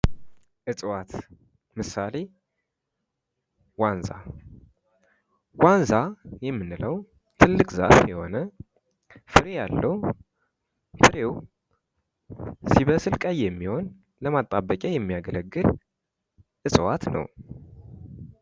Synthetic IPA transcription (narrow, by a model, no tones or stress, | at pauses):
ʔɨt͡sʼwat̪ | mɨsale̞ | wanza̰ | wanzajɛmːɨnːɨləw | t̪ʰɨlːɨkʼza̰fjɛho̞nə | fɨɾejalːəw | fɨɾew | siβəsɨlkʼəjːɛmːiho̞n | ləmat̪ʼːabəkʼajɛmːijaɡələɡːɨl | ʔɨsʼwa̰t̪nə̰w